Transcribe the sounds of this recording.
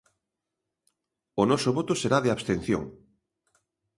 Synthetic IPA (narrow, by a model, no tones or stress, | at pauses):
ʊnɔsoβot̪oseɾaðeaβst̪en̟θjo̰ŋ